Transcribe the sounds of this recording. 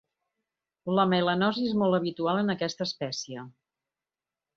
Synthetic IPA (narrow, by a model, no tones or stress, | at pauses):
ləmelənɔziezmɔlˠt̪əβ̞it̪ualˠənəkɛst̪əːspɛsiə